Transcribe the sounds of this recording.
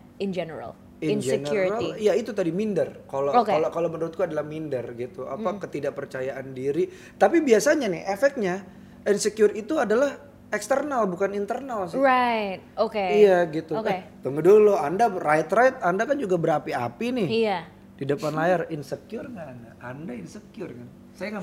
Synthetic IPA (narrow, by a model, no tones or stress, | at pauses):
ɪnd͡ʒɛnəɾa̰l | ɪnd͡ʒenəɾɾalijait̪ut̪adimindərkalakalokalomənuɾʊt̪̚ɡuadalahmindərɡit̪ua̰pakət̪idaʔpərt͡ʃajaʔandiɾi | t̪apibiasaɲanɪ̰hefɛk̚t̪̚ɲa | insəkjʊrit̪uadalah | ɛkst̪ərnalbukanint̪ərnals̬ɪajt̪̚okeijaɡit̪ukt̪uŋɡəduluandarajt̪ɾajt̪̚andakand͡ʒuɡabəɾapia̰pinɪha | d̥idəpanlajarinsəkiʊrŋandaandainsəkiʊrkan | sajaŋa